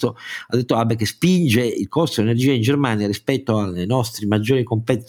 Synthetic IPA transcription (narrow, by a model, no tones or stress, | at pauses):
t̪oad̪ːet̪ːoabːekespind͡ʒeḭlkɔst̪od̪enerd͡ʒiːaind͡ʒermaːnjaɾispɛt̪ːoalenɔst̪ɾimad͡ʒːoːɾikompet̪